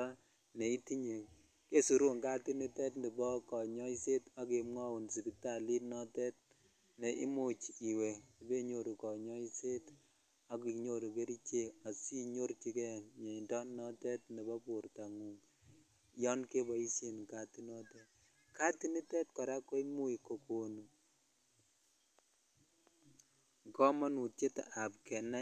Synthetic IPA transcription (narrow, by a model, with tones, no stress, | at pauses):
ne˨i˦ti˦ɲe˨ | ke˦su˨ɾu˦ŋka˦ti˦ni˦tɛ˦tndi˨bɔ˦kɔ˨ɲɔ˦i˦se˦ta˦ke˨mŋɔ˦wu˨nsi˨bi˨ta˦˨li˦nɔ˦tɛ˦t̚ | ne˨ʔḭ˦mu˦t͡ʃi˨we˨i˨be˦ɲo˦˨ɾu˨kɔ˨ɲɔ˦i˦se˦t | a˦ki˨ɲo˦ɾu˨ke˦ɾi˦t͡ʃe˦a˨si˦ɲo˦ɾt͡ʃi˦kɛ˦ɲe˨i˨ndɔ˦nɔ˦tɛ˦t̚ne˨bɔ˦pu˨rta˨ŋu˨ŋ | jɔ˦nke˦bɔ˨i˦se˦nka˨ti˦nɔ˦tɛ˦t̚ | ka˦ti˦ni˦tɛ˦tkɔ˨ɾa˦ko˦i˦mu˦i˨ko˨ko˨nu˨ | ŋkɔ˦ma˦nu˨tt͡ʃe˦ta̰˨a˨p̚kɛ˨na˦